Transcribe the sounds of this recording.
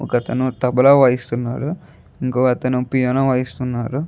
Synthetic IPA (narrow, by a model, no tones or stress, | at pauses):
ɔ̰kɐt̪ɐnut̪ɐbɐlaːʋaːjist̪unːaːɾu | iŋkoːɐt̪ɐnupijaːnaːʋaːjist̪unːaːɾu